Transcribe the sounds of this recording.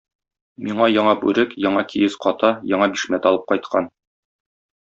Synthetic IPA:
miɴɑjɒɴɑbʉɾɘkjɒɴɑkʰijɘsqɒt̪ɑjɒɴɑbiʃmæt̪ɒlˠɤp̚qɒjt̪̚qʰɑ̰n

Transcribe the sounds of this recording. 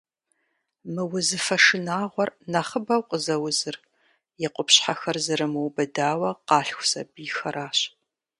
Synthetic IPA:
mɨwʊzɨfɐʂɨnaːʁʷɔrnɐχəbɐwqʼəzɐwʊzɨr | jɛqʷʼʊpɕħaxɐrzɐɾɨmɨwbɐdaːwɐqɑːɬxʷʊsɐbiːxɐɾaːɕ

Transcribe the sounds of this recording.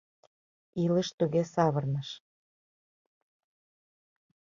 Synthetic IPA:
iləʃt̪uɣesɑβərnəʃ

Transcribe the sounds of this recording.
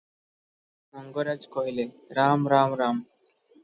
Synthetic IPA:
mɔŋɡoɾad͡ʒkɔɦile | ɾamɾamɾam

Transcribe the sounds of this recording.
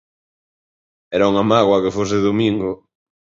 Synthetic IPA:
ɛɾauŋamaɣwɐkefos̬ɪðomiŋɡʊ

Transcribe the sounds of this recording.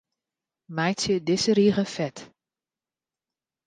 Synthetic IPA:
majsjədɪsəɾiːɣəfɛt

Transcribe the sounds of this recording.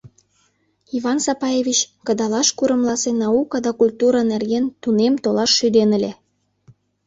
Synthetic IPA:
iβɑnsɑpɑjevʲit͡ɕkə̆d̪ɑlɑʃkuɾə̆mlɑsenɑukɑd̪ɑkulʲt̪uɾɑnerɡent̪unemt̪olɑʃːyd̪enə̆lʲe

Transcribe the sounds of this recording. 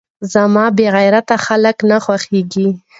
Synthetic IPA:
zamɑbeɣajɾat̪axaləknaxwaxeɡi

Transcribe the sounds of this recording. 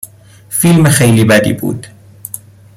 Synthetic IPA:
filmaxajlibad̪ḭːbṵːd̪

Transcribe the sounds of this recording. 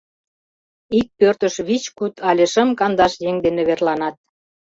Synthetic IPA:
ik̚pørt̪əʃβit͡ɕkut̪ɑlʲeʃə̆mkɑnd̪ɑʃjeŋd̪eneβerlɑnɑt̪̚

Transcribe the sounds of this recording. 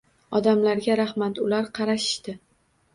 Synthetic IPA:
ɒd̪amlaɾɡʲaɾahmat̪ʊlaɾqʰɑɾaʃɪ̥ʃt̪ɪ

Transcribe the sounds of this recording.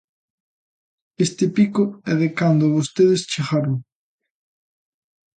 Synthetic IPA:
est̪ɪpikʊɛðekand̪ʊβost̪eðɪst͡ʃeɣaɾʊŋ

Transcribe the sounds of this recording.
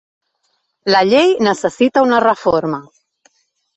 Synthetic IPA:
ləʎejnəsəsit̪aunərəfoɾma

